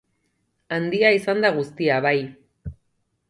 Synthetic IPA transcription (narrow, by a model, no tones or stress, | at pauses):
and̪iaisand̪aɣ̞ust̪iaβaj